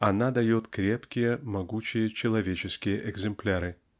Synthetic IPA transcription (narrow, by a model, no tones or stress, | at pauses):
ɐnad̪ɐjot̪kɾʲe̞pkʲɪjəmɐɡut͡ɕɪjət͡ɕɪlˠɐvʲet͡ɕɪskʲɪjəʔɪɡzɨmplʲaɾɨ